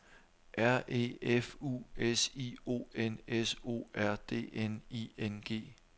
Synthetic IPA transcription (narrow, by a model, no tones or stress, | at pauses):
ʔæɐ̰ʔe̝̰ːefuːesiːo̝̰ːeneso̝̰ːæɐ̰d̥e̝̰ːeniːenɡ̥e̝̰ː